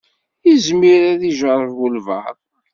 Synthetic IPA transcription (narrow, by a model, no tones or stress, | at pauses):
izmiɾæðiʒəɾˤəvwulvɑ̰ɾˤ